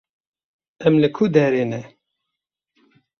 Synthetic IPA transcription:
ɛmlɨkʰud̪ɛɾeːnɛ

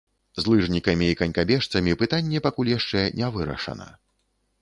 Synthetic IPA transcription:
zlˠɨʐnʲikɐmʲiːkɐnʲkabʲɛʂt̪sɐmʲipɨt̪anʲːɛpakulʲjaʂt͡ʂɛnʲɛvɨɾɐ̰ʂɐ̰nɐ̰

